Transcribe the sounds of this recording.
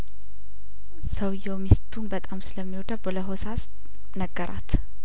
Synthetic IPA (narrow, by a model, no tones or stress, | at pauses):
səwjɛwmist̪ʰunbət̪ʼamsɨləmːihod̪aboləɦosas | nəɡːəɾʔa̰t̪